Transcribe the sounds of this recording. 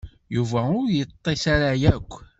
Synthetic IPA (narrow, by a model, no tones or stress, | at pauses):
juvæʊɾjət̪ˤːisaɾajækʷː